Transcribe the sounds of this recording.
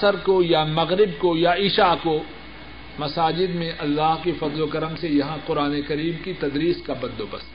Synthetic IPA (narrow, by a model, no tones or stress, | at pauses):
səɾkojamɐɣɾɪb̚kojaɪʃaːko | mɐsaːd͡ʒɪd̪mẽʔɐlːaːɦkefɐd̪lokɐɾəmsejɐɦãqʊɾaːnekɐɾiːmkit̪ɐd̪ɾiːskabɐ̃d̪d̪obɐ̰s